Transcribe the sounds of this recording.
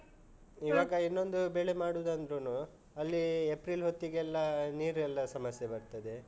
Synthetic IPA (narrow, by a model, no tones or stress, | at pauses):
iʋaːɡɐinːo̞nd̪ubeɭemaːɽuːd̪ɐnd̪ɾunuː | ɐlːiepɾilɦo̞t̪ːiɡɛlːɐniːɾuɛlːɐsɐmɐsjebɐɾt̪ɐd̪e̞